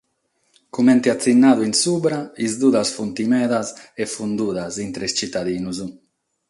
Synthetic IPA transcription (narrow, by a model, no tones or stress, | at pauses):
kumɛnt̪iat̪sinːaːðuinsuːbɾaizd̪uðasfunt̪imɛðasefund̪uːðazint̪ɾest͡ʃit̪aðiːnuzu